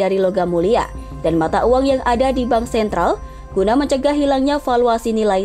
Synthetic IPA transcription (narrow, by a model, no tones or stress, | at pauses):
aɾiloɡamulia̰ | d̥anmat̪aʔuwaŋjaŋadadibaŋsɛnt̪ɾal | ɡ̥unaməɲt͡ʃəɡaɦilaŋɲafaluasinila